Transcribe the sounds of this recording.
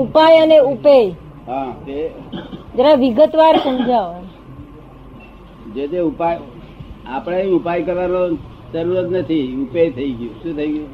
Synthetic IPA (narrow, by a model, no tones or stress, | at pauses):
upajəneupej | ɦãt̪e | d͡ʒəɾaʋiɡət̪ʋaɾsəmd͡ʒʱaɦoj | d͡ʒet̪eupaj | apɽeiupajkəɾʋano | d͡ʒəɾuɾət̪nət̪ʰiupejt̪ʰəiɡjũʃũt̪ʰəiɡjũ